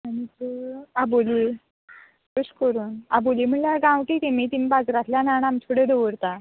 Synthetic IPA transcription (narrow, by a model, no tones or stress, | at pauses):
añit̪uaboli | kəɕkəɾuːnaboliːm̤əɳljaɡãwk̪it̪emit̪imiːbad͡zɾat̪ljananamtʰoɽed̪oʋəɾt̪a